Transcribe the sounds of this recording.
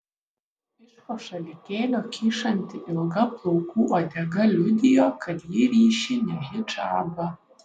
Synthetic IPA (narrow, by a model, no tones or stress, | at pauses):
ɪʂqɔʂɐlʲɪkʲeːlʲɔkʲʰiːʂɐnʲtʲʰɪʔɪlɡɐplˠowkʰuʔad̪ʲɐɡɐlʲud̪ʲɪjokʰɐd̪jiɾiːʃinʲɛɦɪʈ͡ʂʼa̰ːbɐ